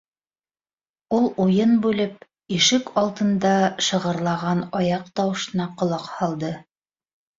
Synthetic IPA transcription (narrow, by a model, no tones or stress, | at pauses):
ulˠujɤnbʉlɘp̚ | iʃɘkʰɑlˠt̪ɤ̆nd̪ɑʃɤ̆ʁɤ̆ɾlˠɑʁɑnɑjɑq̚t̪ɑwɤ̆ʃɤ̆nɑqŏlˠɑqhɑlˠd̪ɤ